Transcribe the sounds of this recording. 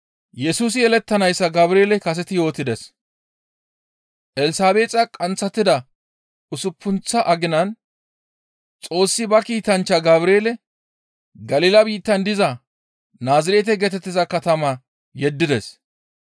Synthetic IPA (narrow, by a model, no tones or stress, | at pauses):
jɛsuːs̬ɪjɛlɛt̪ːɐnɐjsːɐɡɐbɾeːlɛkɐs̬ɛt̪ɪjo̞ːt̪ːɪd̪ɛs | ʔɛlɪsaːbe̞ːt͡sʼɐkʼɐnt͡sːɐt̪ːɪd̪ɐ | ʊsʊpʰːʊnt͡sːɐʔɐɡɪnɐn | t͡sʼo̞ːsːɪbɐkiːt̪ɐnt͡ʃːɐɡɐbɾeːlɛ | ɡɐlɪlɐbiːt̪ːɐnd̪ɪzɐ | naːzɪɾeːt̪ɛɡɛt̪ɛt̪ːɪzɐkɐt̪ɐmɐ | jɛd̪ːɪd̪ɛs